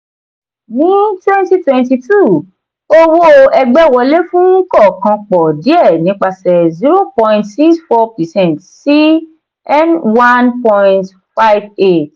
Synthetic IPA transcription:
nĩ˨˦twɛ̃˦nti˦twɛ̃˧nti˧tʰu˦˨ | o˦wo˦ɛ˧ɡ͡bɛ˦˨wɔ˧le˦fũ˦kɔ˦˨kã˧k͡pɔ˨di˨˦ɛ˦˨nĩ˨˦k͡pa˧sɛ˨zi˦ɾo˦pɔ̃˧ĩ˧ntsi˦ksfɔ˧pɛ˨sɛ̃˦˨ntsi˦ | ɛ˦nwã˦npɔ̃˧ĩnt | fa˦jve˦˨t

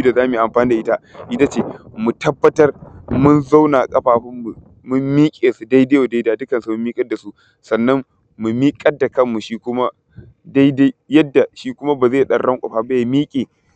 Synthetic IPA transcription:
u˦da˨zaː˦me˨ʔa˨mɸaː˨˦ni˦da˨ʔɪ˦ta˦ʔɪ˦ta˦t͡ʃeː˦mu˨tɐ˦bːɐ˦tɐ˦rmʊ˦nza˦wna˨kʼɐ˦ɸaː˨ɸɪ˦mːu˨ | mʊ˦mːiː˦kʲʼeː˨su˨da˦jdeː˦jo˨da˦daː˨dʊ˦kɐ˨nsu˨mʊ˦miː˦kʼɐ˦da˨su˦ | sɐ˨nːɐ˦mː | u˨miː˦kʼɐ˦dːa˨kɐ˦mːu˨ʃiː˦kʷʊ˦ma˦ | da˦jda˦jjɐ˦dːa˨ʃiː˦kʷʊ˦ma˦baː˨zeː˦˨ɗɐ˦˨rɽɐ˦ŋkʷʼa̰˨ɸa˦ba˦ja˨miː˦kʲʼeː˨

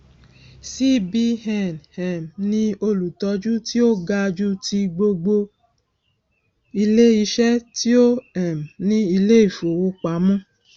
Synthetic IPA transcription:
si˦bi˧ɦɛ̃˨nhɛ̃˨mnĩ˦o˧lu˨tɔ˧d͡ʒu˦ti˦o˦ɡa˧d͡ʒu˦ti˧ɡ͡bo˧ɡ͡bo˧ | i˧le˦i˧ʃɛ˦ti˦o˦ɛ˨m˨nĩ˦i˧le˦i˦˨fo˨wo˧k͡pa˨˦mɔ̃˦

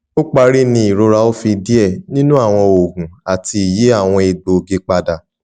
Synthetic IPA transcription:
o˦k͡pa˧ɾi˦nĩ˧i˨ɾo˧ɾa˧o˦fi˧di˦ɛ˦˨nĩ˦nũ˦a˦˨w̃ɔ̃˧o˨ɡũ˨a˨ti˧i˨ji˨˦a˦˨w̃ɔ̃˧e˧ɡ͡bo˨ɡe˧k͡pa˧da˨

